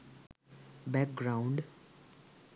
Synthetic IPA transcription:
bɛk̚ɡɾãʊ̃ɳɖ

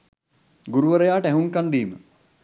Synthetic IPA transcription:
ɡuɾuʋəɾəjaːʈəæɦuŋkand̪iːmə̰

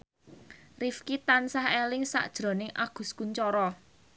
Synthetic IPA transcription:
rifkit̪ansahelɪŋsa̰ʔd̥ʒ̥ɾo̤nɪŋʔa̰ɡ̥ṳskuɲt͡ʃɔɾɔ

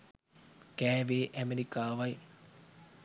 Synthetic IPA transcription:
keːʋeʔɐmeɾikːaːʋɐj

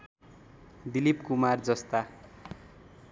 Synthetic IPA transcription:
d̪ilipkumard͡zʌst̪a

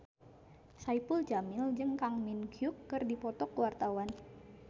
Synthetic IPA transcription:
saipuld͡ʒamɪld͡ʒɨŋkaŋminɡʰjukːɨrdipɔt̪ɔkəwart̪awan

